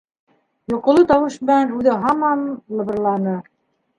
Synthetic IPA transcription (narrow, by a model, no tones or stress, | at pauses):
jŏqŏlˠɤt̪ɑwɤ̆ʃbɘænʉðɘɦɑmɑnlˠɤ̆βɤ̆rlˠɑnɤ